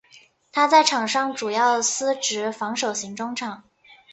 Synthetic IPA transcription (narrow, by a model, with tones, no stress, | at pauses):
t̪ʰa˥t͡sa˥˩ɪʈ͡ʂʰɑ˨˩ŋʂɑ˥˩ŋʈ͡ʂu˨˩jɑ˥˩ʊdsɹ̩˥ʈ͡ʂɻ̩˧˥fɑ˧˥ŋʂo˨˩ʊɕi˧˥ŋʈ͡ʂʊ˥ŋʈ͡ʂʰɑ˨˩˦ŋ